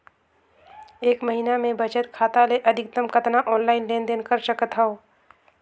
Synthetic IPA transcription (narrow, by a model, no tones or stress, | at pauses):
eːkmɐɦinamẽbʱɐt͡ʃət̪kʰaːt̪aleʔɐd̪ʱɪk̚t̪əmkɐt̪naʔɔːnlaːɪnleːnd̪eːnkəɾt͡ʃəkət̪ʰɦaoː